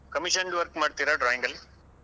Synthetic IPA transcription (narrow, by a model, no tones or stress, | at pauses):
kɐmiʂɐnɖʋɐɾkmɐɽt̪ːiɾɐɖɾaːjiŋɡɐl